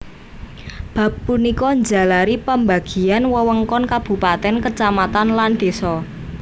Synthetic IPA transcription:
b̥ä̤pːunikɔɲd͡ʒa̤laɾipəmbaɡ̥i̤anwəwəŋkɔnkab̥ṳpat̪ɛnkət͡ʃamat̪anland̪̥e̤sɔ

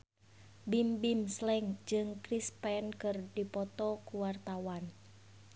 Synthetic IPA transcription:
bimbimslɛŋd͡ʒɨŋkɾispɛnkɨrdipɔt̪ɔkuwart̪awan

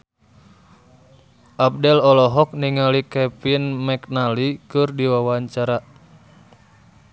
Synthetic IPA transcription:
ʔap̚dɛlɔlɔɦɔk̚niŋalikɛpinmɛknalikɨrdiwawaɲt͡ʃaɾa

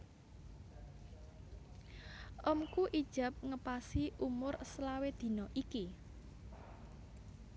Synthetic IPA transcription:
ʔɔmkuʔid̥ʒ̥a̤p̚ŋəpasiʔumʊrslawed̪̥i̤nɔʔiki

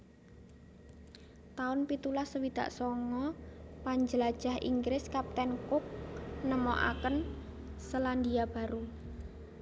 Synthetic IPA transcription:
t̪aʊnpit̪ulasəwid̪̥a̤̰ʔsɔŋɔpaɲd͡ʒəlad̥ʒ̥a̤hʔḭŋɡɾɪskap̚t̪ɛnkʊk̚nəmɔʔa̰kən | səland̪iab̥a̤ɾu

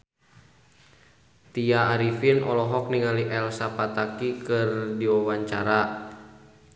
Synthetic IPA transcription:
t̪iaːɾifinʔɔlɔɦɔk̚niŋaliʔɛlsapat̪akikɨrdiwawaɲt͡ʃaɾa

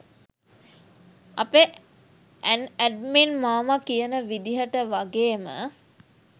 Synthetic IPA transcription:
ape | ænæɖminmaːmakijənəʋid̪iɦəʈəʋaɡeːmə̰

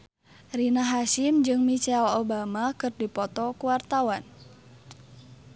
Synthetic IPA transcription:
rinaɦasimd͡ʒɨŋmit͡ʃɛlobamakɨrdipɔt̪ɔkuwart̪awan

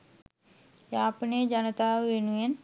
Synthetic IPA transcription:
jaːpəneːd͡ʒanət̪aːʋenujen

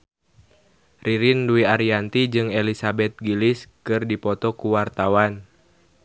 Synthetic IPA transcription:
riɾinduiaɾiant̪id͡ʒɨŋelisabɛt̪̚ɡiliskɨrdipɔt̪ɔkuwart̪awan

